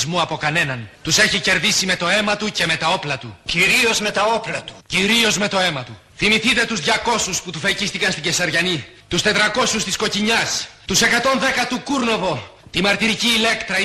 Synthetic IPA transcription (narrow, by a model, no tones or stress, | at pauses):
zmuɐpo̞kɐne̞nɐnt̪use̞çice̞ɾðisime̞t̪o̞e̞mɐt̪uce̞me̞t̪ɐo̞plɐt̪uciɾio̞zme̞t̪ɐo̞plɐt̪u̥ciɾio̞zme̞t̪o̞e̞mɐt̪u | θimiθit̪e̞t̪uzðʝɐko̞susput̪ufecist̪ikɐnst̪iɲɟesɐɾʝɐni | t̪ust̪e̞t̪ɾɐko̞sust̪isko̞ciɲɐst̪use̞kɐt̪o̞nðe̞kɐt̪ukuɾno̞vo̞t̪imɐɾt̪iɾiciːle̞kt̪ɾɐ